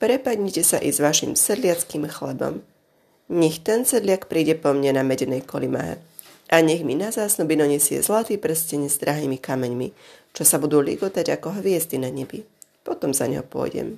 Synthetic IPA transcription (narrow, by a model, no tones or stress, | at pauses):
pɾɛpadɲicɛsaʔizʋaʃḭmsɛd̪lɪat͡skimxlɛbɔ̰m | ɲɛxt̪ɛnsɛd̪lɪakpɾiːɟɛpɔmɲanamɛɟɛnɛjkɔlima̰ɦɛ̰ | ʔaɲɛɣminazaːsnɔbinɔɲɛsɪɛ̰zlat̪iːpr̩scɛɲɛzd̪ɾʔaɦiːmikamɛɲmit͡ʃɔsabud̪uːlḭɡɔt̪aɟakɔɦʋɪɛzd̪inaɲɛbipɔt̪ɔmza̰ɲɛɦɔpʊɔ̰jɟɛ̰m